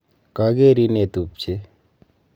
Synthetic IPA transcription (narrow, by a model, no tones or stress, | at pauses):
kaɡeɾinet̪up̚t͡ʃʰe